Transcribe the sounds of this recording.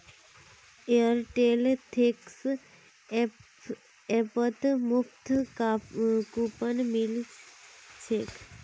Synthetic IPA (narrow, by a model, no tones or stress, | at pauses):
eəɾʈelt̪ʰeks | epət̪muft̪ | kupənmil | t͡ʃʰek